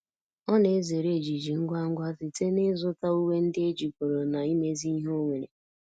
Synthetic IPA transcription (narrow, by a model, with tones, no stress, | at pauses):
ɔ˦ne˨˦ze˨ɾe˦˨d͡ʒi˨d͡ʒi˨ŋ̩˦ɡʷa˦ŋ̩˦ɡʷa˦zɪ˨te˦ne˦zʊ˦ta˦u˦we˦n̩˦dɪ˦e˦d͡ʒi˨kʷo˨ɾo˨na˨i˦me˦zi˦i˦ɦo˦ŋʷe˨ɾḛ˨